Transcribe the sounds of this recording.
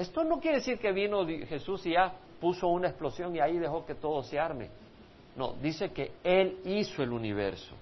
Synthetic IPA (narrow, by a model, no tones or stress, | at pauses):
est̪o̞no̞kjeɾeesiɾke̞βino̞ðxe̞susiʝa | pusounaesplo̞sjo̞ŋiaiðe̞xo̞ke̞t̪o̞ðoseaɾmḛ | no̰d̪ise̞keelisoe̞luniβe̞̰ɾso̞̰